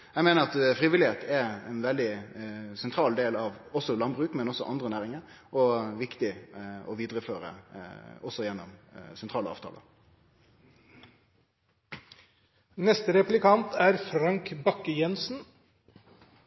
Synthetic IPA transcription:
jæɪmeːnəʁɑt̪fʁiːʋɪlɪheːt̪ʰɛɛnʋɛld̪ɪsɛnt̪ʰɾɑːld̪eːlɑʋɔsɔlɑnbʁʉːkmɛnɔsːɔʔɑnd̪ʁənæːʁɪŋəɾʔɔʋɪkt̪ɪɔʋiːd̪ɾəføːɾə̰ | ɔsɔjɛnːɔmsɛnt̪ʰʁɑːləɑ̰ːʋt̪ʰɑ̰ːlə̰ | nɛst̪əɾɛplɪkɑnt̪æɾfɾɑŋkbɑkːəjɛnsn

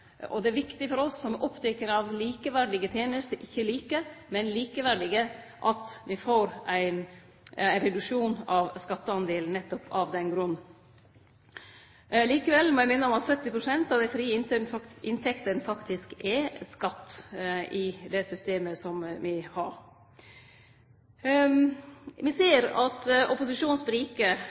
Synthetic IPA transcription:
ɔ̰d̪ɛæɾʋɪkt̪ɪfɔɾɔsːɔmɔpːd̪œʏkəɾɑʋliːkəʋæɖɪɡət̪ʰjeːnəst̪əʔɪçːəliːkəmɛnliːkəʋæɖɪɡə | ʔɑt̪ʋɪfoːɾʔæɪn | æɪnɾɛd̪ʉkʂuːnɑʋskɑt̪ːəɑnd̪eːln̩nːɛt̪ːɔpʰɑʋd̪ɛnɡɾʉnː | liːkəʋɛlmɔjæɪmɪnːəɔmɑt̪sœt̪ːɪpɾʊsɛnt̪ɑʋd̪æɪfɾiːəɪnt̪ənɪnt̪ʰɛkt̪ənfɑkt̪ʰɪskɛskɑt̪ːʔɪd̪ɛsʏst̪eːməsɔmʋɪhɑɾ | ʋɪseːɾɑt̪ɔpʊsɪʂuːnsbəɾiːkə

